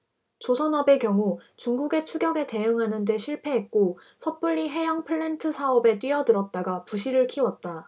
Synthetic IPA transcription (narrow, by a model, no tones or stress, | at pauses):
t͡ɕosʰʌnʌbe̞kjʌŋut͡ɕuŋɡuɡe̞t͡ɕʰuɡjʌɡe̞te̞ɯŋɦanɯnde̞ɕʰiɭpʰe̞ɦet̚k͈o | sʰʌp͈uʎːiɦe̞jaŋpʰɯɭːentʰɯsʰaʌbe̞t͈ɥiʌdɯɾʌt̚t͈aɡapuɕʰiɾɯɭkʰiwʌt̚t͈a